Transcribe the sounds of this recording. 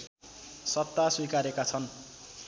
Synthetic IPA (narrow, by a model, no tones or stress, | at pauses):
sʌt̪ːaswikaɾekat͡sʰʌn